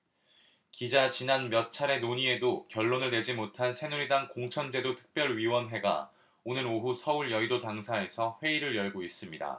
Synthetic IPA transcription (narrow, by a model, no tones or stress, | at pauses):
kid͡ʑat͡ɕinanmjʌt̚t͡ɕʰaɾe̞noɲie̞dokjʌɭːonɯɭne̞d͡ʑimotʰansʰe̞nuɾidaŋkoŋt͡ɕʰʌnd͡ʑe̞dotʰɯ̥k̚p͈jʌɭɥiwʌnɦwe̞ɡa̰ | onɯɾoɦusʰʌuɭjʌidotaŋsʰae̞sʰʌɸwe̞iɾɯɭjʌɭɡois͈ɯmɲida̰